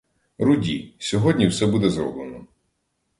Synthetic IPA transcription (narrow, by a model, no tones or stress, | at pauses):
ɾʊdʲisʲɔɦɔdʲnʲiwsɛbud̪ɛzɾɔ̰blˠenɔ